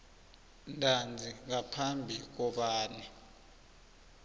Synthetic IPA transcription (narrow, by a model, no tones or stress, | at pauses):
ndʱand͡zʱiŋapʰambʱik̬ɔɓaːnɛ